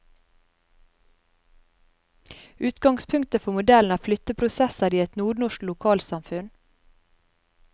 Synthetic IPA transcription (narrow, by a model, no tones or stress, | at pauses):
ʉːt̪ɡɑŋspʰʉŋkt̪əfɔmʊd̪ɛln̩æːflʏt̪əpʰɾʊsɛsəɾiːɛt̪nuːɳʊʃklʊkʰɑːlsɑmfʉn